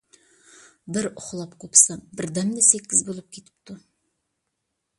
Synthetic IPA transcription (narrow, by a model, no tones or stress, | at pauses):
bɪɾʊχlˠɑpqʰopsɑbɪɾd̪æmd̪esekʲːɪzbolˠəp̚kʲʰet̪ɪ̥p̚t̪ʊ